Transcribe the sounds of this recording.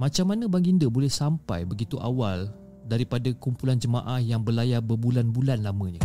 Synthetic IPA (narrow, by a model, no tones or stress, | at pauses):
mãt͡ʃamːanə̃baŋɡindəbolɛhsampa̰jbəɡit̪uʔa̰wal | daɾipadakumpuland͡ʒəmã̰ʔahjaŋbəlajabəbulanbulanlamə̃ɲã